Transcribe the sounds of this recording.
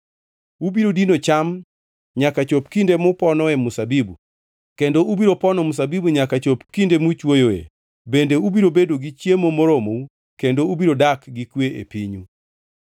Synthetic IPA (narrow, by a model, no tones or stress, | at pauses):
ubiɾodinot͡ʃam | ɲakat͡ʃopkindemʊpɔnɔɛmusabibu | kendoubiɾopɔnɔmus̬abibuɲakat͡ʃopkindemut͡ʃwojoḛ | bendeubiɾobedoɡit͡ʃjemomoɾomou | kendoubiɾodakɡikweḛpiɲu